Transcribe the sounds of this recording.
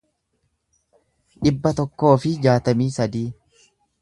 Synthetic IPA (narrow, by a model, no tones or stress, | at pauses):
ᶑɪbːɐt̪ɔkːo̞ːfɪd͡ʒaːt̪ɐmiːsɐd̪iː